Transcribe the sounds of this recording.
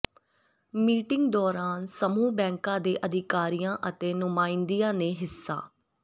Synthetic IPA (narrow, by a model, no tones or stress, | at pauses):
miːʈɪ̃ŋɡ̚d̪ɔːɾaːnsəmuːbɛ̃ːŋkãːd̪eːʔəd̪ʱɪkaːɾijãːʔət̪eːnʊmaːind̪ijãːneːɦɪsːa̰ː